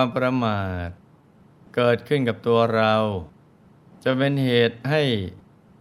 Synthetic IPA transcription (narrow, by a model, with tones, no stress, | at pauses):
mpɾa˧maː˨˩t̪̚ | kɤː˨˩t̪̚kʰɯ˥˩nka˨˩p̚t̪u˧ɐɾa˧w | t͡ɕa˨˩pe˧nheː˨˩t̪̚ha˥˩j